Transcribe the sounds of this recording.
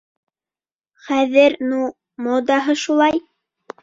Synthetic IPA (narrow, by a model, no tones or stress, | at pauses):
χæðɘɾnu | mod̪ɑɦɤʃulˠɑj